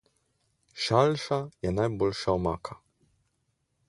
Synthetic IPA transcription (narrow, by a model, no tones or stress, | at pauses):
ʃalʂajɛnajbɔlʂaɔmakʰa